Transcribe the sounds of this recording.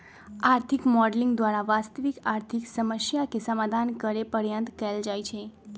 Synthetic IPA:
aɾt̪ʰikmɔɖliŋɡd̪ʋaɾaʋast̪əʋikaɾt̪ʰiksəməsjakesəmad̪ʱankəɾepəɾjə̃nt̪kɛld͡ʒajt͡ʃʰe

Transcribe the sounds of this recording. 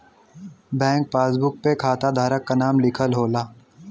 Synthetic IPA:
bɛ̃ːŋk̚paːsbʊk̚pekʰaːt̪ad̪ʱaːɾəkːanaːmlɪkʰəlɦoːlaː

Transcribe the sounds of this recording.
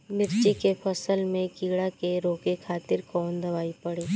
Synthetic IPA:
nɪɾt͡ʃikepʰɐsəlmẽkiːɽakeɾoːkekʰaːt̪ɪɾkɔːnd̪ɐʋaːipɐɽeː

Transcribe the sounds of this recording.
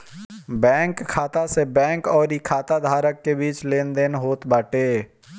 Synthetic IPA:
bɛ̃ːŋkʰːaːt̪asebɛ̃ːŋkɔːɾikʰːaːt̪ad̪ʱaːɾəkːebiːt͡ʃleːnd̪enɦoːt̪baːʈeː

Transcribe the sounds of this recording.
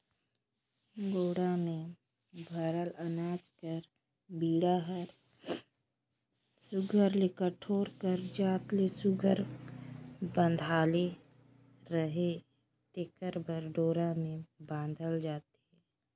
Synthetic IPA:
ɡoːɽamẽ | bʱəɾələnaːd͡ʒkəɾ | biːɽaɦəɾ | sʊɡʱəɾlekəʈʰoːɾkəɾd͡ʒaːt̪lesʊɡʱəɾ | bə̃nd̪ʱaːle | ɾəɦe | t̪ekəɾbəɾɖoːɾamẽbãːnd̪ʱəld͡ʒaːt̪iɦɛː

